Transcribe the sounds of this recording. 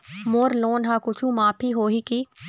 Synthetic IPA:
moːɾloːnɦãːkʊt͡ʃʰũmaːpʰiɦoːɦikiː

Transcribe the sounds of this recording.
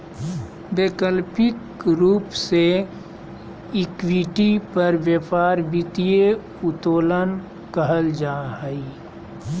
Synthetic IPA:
beːkəlpɪk | ɾuːpse | ɪkwiʈipəɾʋjəpaːɾbɪt̪ije | ʊt̪oːlən | kəɦəld͡ʒaːɦəi

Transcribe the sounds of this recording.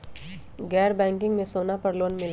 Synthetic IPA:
ɡɛːɾbɛ̃ːŋkɪ̃ŋɡmẽsoːnapɐɾloːnmɪl

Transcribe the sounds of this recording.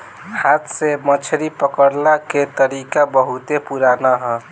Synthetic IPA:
hat̪semət͡ʃʰɾipəkəɾlaket̪əɾikabʌɦut̪epuɾanaɦʌ

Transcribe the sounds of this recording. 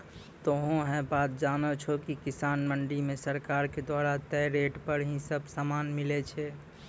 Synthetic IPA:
t̪oɦõɦɛ̃bat̪̚d͡ʒaːnɔt͡ʃʰokikisaːnməɳɖimẽsəɾkaɾked̪waɾat̪ɛɾeʈpəɾɦĩsəbsaːmanmilɛt͡ʃʰɛ

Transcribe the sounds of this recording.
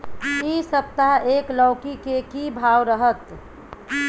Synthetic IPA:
isəp̚t̪aɦeːklɔʊkikekibʱaːwɾəɦət̪

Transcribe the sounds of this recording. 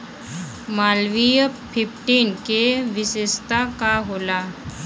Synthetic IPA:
maːlʋijəpʰɪpʰʈiːnkeʋɪsest̪akaɦoːla

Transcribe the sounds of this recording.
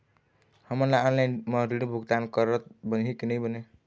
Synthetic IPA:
həməɾlaɔnlainməɦɾiɽbʱuɡt̪ankəɾət̪bənɦekinəjbəne

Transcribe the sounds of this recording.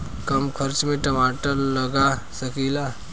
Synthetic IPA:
kəmkʰəɾt͡ʃmẽʈəmaːʈəlːəɡasəkila

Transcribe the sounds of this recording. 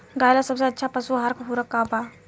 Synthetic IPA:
ɡaːjlasəbsaətːʃʰapəsuɦaɾkəɦuɾəkːãːpa

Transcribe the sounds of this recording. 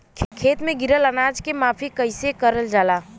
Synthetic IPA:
kʰeːt̪mẽɡɪɾələnaːd͡ʒkemaːpʰikəɪsekəɾəld͡ʒaːlaː

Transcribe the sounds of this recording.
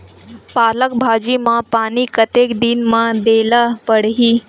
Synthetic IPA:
paːlək̚bʱaːd͡ʒimãpaːnikət̪eːkd̪inmãd̪eːlapəɽɦiː

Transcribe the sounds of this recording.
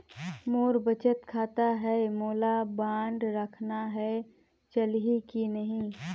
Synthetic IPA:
moːɾbət͡ʃət̪kʰaːt̪aɦɛmoːlabãːɳɖɾəkʰnaɦɛ | t͡ʃəlɦikinɐɦĩ

